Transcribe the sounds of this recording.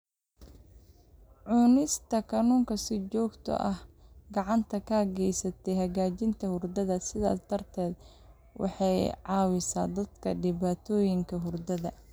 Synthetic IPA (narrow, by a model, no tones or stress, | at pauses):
ʕʊnɪst̪ʰɐkʰɐnuːŋkʰɐsɪt͡ʃɔːɡt̪ʰɔ̰ʔɐhɡɑʕɑnt̪ʰɐkʰɐɐɣɛjsɐt̪ʰɛɦɐɣaːt͡ʃɪnt̪ʰɐhʊrd̪ɐðɐsɪða̰ːt̪ʰɐrt̪ʰɛːd̪ | wɑ̰ħɑjʕɑːwɪsa̰ːd̪ɐd̪kʰɐ̰ɖɪβaːt̪ʰɔːjɪŋkʰɐɦʊrd̪ɐðɐ